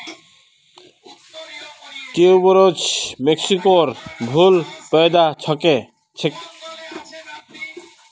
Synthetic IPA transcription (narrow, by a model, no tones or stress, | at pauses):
kewboɾod͡ʑmeksikoɾbʱulpɔed̪at͡ɕʰɔke | t͡ɕʰek